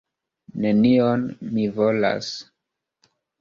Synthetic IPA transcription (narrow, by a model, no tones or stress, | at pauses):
ne̞nionmivola̰s